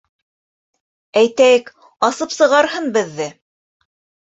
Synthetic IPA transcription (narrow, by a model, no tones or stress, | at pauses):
æjt̪æjɘk | ɑsɤpsɤ̆ʁɑɾhɤnbɘ̆ðːɘ